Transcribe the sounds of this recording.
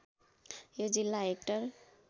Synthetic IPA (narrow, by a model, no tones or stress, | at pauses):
jod͡zilːaek̚ʈʌɾ